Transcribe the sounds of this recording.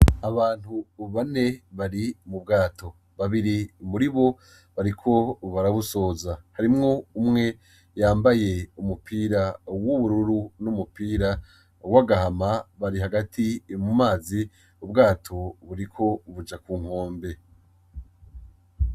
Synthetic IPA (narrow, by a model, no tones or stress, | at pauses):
aβaːn̥huβane̞βaɾimubɡaːtʰo̞ | βaβiɾimuɾiβo̞ | βaɾikʰo̞βaɾaβuso̞ːzahaɾimŋo̞umŋe̞ | jaːmbaje̞umupʰiːɾawuβuɾuɾunumupiːɾa | waɡahamaβaɾiɦaɡatʰimumaːzi | ubɡaːtʰo̞βuɾikʰo̞βud͡ʒakuːŋ̥ho̞ːmbe̞